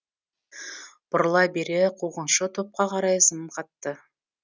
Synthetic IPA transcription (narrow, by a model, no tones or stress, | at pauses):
b̥ʊɾlˠɑbe̞ɾeqʰuʁənʃət̪ʰo̞p̚qɑqʰɑɾɑjsəmqʰɑt̪ːə